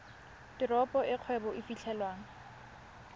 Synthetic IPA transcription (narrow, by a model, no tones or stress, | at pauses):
tɪɾɔpʼɔɪq͡χʰwɛbɔʔifit͡ɬʰɛlwaːŋ̩